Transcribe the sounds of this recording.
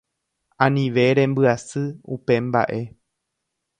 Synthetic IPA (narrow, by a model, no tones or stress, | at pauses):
ãnĩʋe̞ɾẽ̞mbɨasɨṵpe̞mba̰ʔe̞